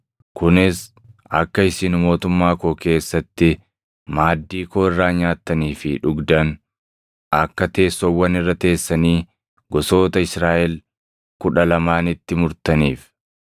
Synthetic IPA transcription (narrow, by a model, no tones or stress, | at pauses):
kʊnɪs | ɐkːɐɪsɪnʊmo̞ːt̪ʊmːaːkoːke̞ːsːɐt̪ːɪ | maːd̪ːiːkoːɪrːaːɲaːt̪ːɐniːfɪᶑʊɡd̪ɐn | ɐkːɐt̪e̞ːsːɔwːɐnɪrːɐt̪e̞ːsːɐniː | ɡɔso̞ːt̪ɐɪsɾaːʔɛl | kʊᶑɐlɐmaːnɪt̪ːɪmʊɾt̪ɐniːf